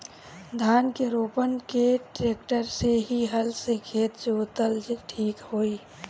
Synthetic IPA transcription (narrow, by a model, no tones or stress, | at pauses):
d̪ʱaːnkeɾoːpənkeʈɾeːk̚ʈəɾseɦiɦəlsekʰeːt̪d͡ʒot̪əld͡ʒʈʰiːkhoːi